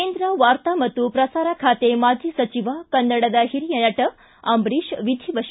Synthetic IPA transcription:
end̪ɾəʋaɾt̪amɐt̪upɾɐsaɾakʰat̪emad͡ʒʱisɐt͡ʃiʋakənːɐɽad̪aɦiɾijɐnɐʈə | ambɾiʃʋid̪ʱiʋəʃ

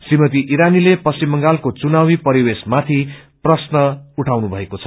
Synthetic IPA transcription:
simʌt̪iʔiɾanilepʌst͡simːʌŋɡalkot͡sunawipʌɾiwesmat̪ʰiprʌsnʌuʈʰawnubʱʌekot͡sʰʌ̥

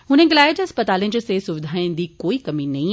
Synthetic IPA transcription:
ɦʊn̤ə̃ɡɪlaːjd͡ʑɦɐspət̪aːlĩd͡ʑesesʊʋɪd̪ʱaːɪ̃nd̪iːkoːikɐminɐĩ

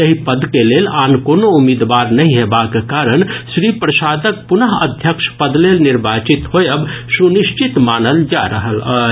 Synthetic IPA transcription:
jəɦipəd̪keleːlaːnkoːnoumid̪ʋaːɾnɐɦĩɦebakekaːɾəɳ̃ʃɾipɾəsaːd̪ək̚pʊnəɦəd̪ʱjəkʃpəd̪leːlnɪɾbaːt͡ʃit̪hojəbsuniʃt͡ʃit̪maːnəld͡ʒaɾəɦəl

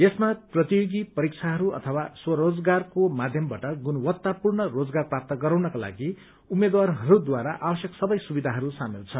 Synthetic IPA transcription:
jesmaprʌt̪ijoɡipʌɾik̚t͡sʰaɦʌɾuʌ̰t̪ʰʌwaswʌɾod͡zɡarkomad̪ʱjʌmbaʈʌɡunwʌt̪ːapurnʌrod͡zɡarprap̚t̪ʌɡʌɾawnʌkala̰ɡi | umed̪warɦʌɾud̪waɾaʔabʌsjʌksʌbʌjsubid̪ʱaɦʌɾusamilt͡sʰʌn

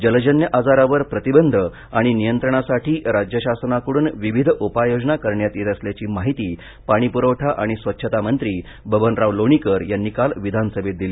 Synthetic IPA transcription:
d͡ʑəld͡ʑənjəʔad͡zaɾaʋəɾpɾət̪ibənd̪ʱə | aɽ̃inijənt̪ɾəɳ̃asaʈʰiːɾad͡ʑjəɕasnakəɽuːnʋiʋid̪ʱopajod͡ʑnakəɾɳjat̪jet̪əsljat͡ɕiːmaɦit̪iː | paɽ̃ipuɾəʋʈʰaʔaɽ̃isʋətːɕʰət̪amənt̪ɾiː | bʱəbənɾaʋloɳ̃ikəɾjanːiːkalʋid̪ʱansəbʱet̪̚d̪ili

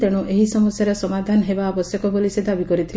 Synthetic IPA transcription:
t̪eɽ̃uʔeɦisɔmɔsjaɾesɔmad̪ʱanɔɦebaɔbɔsjɔkɔbolised̪abikɔɾit̪ʰil

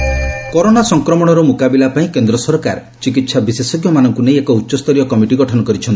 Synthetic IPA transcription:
kɔɾonasɔŋkɾɔmɔɽ̃ɔɾɔmukabilapaĩkend̪ɾɔsɔɾka̰ɾ | t͡ʃik̬it̪sʰabisesɔɡjɔmanɔŋkunejekɔutːʃɔst̪ɔɾijɔkɔmiʈiɡɔʈʰɔnɔkɔɾit͡ʃʰɔnt̪i

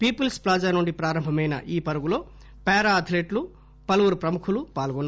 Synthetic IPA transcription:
piːpilsplaːd͡ʒaːnuɳɖipɾaːɾɐmbʱɐmɐjnɐ̰ʔiːpɐɾuɡulo̞ː | pɛːɾaːɐd̪ʱileːʈlu | pɐluʋuɾupɾɐmukʰulupaːlɡɔnː

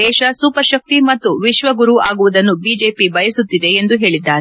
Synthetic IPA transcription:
ɛːʃɐsuːpɐɾʃɐk̚t̪imɐt̪ːuʋiʃʋɐɡuɾuaːɡuʋud̪ɐnːubiːd͡ʒe̞ːpibɐjɐsut̪ːid̪e̞ːnd̪uɦe̞ːɭid̪ːaːɾe

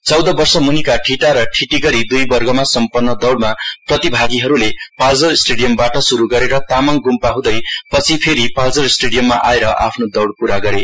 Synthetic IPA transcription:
t͡sʌwd̪ʌbʌrsʌmunikaʈʰiʈaɾʌʈʰiʈiɡʌɾid̪ujbʌrɡʌmasʌmpʌnːʌd̪ʌwɽmaprʌt̪ibʱaɡiɦʌɾulepald͡zʌrsʈeɽijʌmbaʈʌsuɾuɡʌɾeɾʌt̪amaŋɡumpaɦũd̪ʌjpʌt͡sʰipʰeɾipald͡zʌrsʈeɽijʌmːaʔaeɾʌʔa̰pʰnod̪ʌwɽpuɾaɡʌɾe

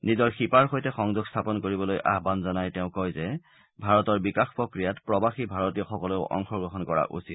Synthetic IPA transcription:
nizɔɹxipaɹxojtɛxɔŋzuɡstʰapɔnkoɹibɔlojʔa̰ɦbanzɔnajtɛʊ̃kɔjzɛ | bʱaɹɔtɔɹbikaxpɹɔkɹijatpɹɔbaxibʱaɹɔtijɔxɔkɔleʊʔɔ̰ŋxɔɹɡɹɔɦɔnkɔɹa̰ʔṵsit

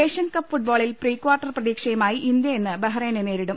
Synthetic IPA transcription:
eːʂɐnkɐpːfuʈ̚boːɭilpriːkwaːrʈːɐrprɐðiːkʂɐjɐmaːjiʔind̪jɐjenːɨbɐɦɐɾeːnene̞ːɾiɽum

